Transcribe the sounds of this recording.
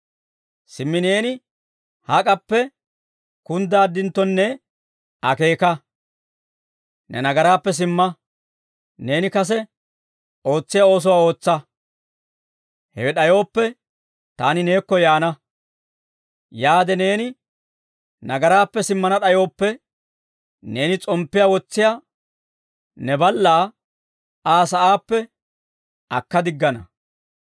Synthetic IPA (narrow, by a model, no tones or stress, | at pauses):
sɪmːɪneːnɪ | hɐkʼɐpːɛ | kʊnd̪aːd̪ːɪnt̪ːɔnːɛ | ɐke̞ːkɐ | nɛ̰nɐɡɐɾaːpːɛs̬ɪmːɐ | ne̞ːnɪkɐs̬ɛ | o̞ːt͡sːɪjao̞ːs̬ɔwaːo̞ːt͡sːɐ | hɛwɛɗɐjo̞ːpːɛ | t̪aːnɪne̞ːkːɔjaːnɐ | jaːd̪ɛne̞ːnɪ | nɐɡɐɾaːpːɛsɪmːɐnɐɗɐjo̞ːpːɛ | ne̞ːnɪt͡sʼɔmpːɪjaːwɔt͡sːɪjaː | nɛbɐlːaː | aːsɐʔaːpːɛ | ʔɐkːɐd̪ɪɡːɐnɐ̰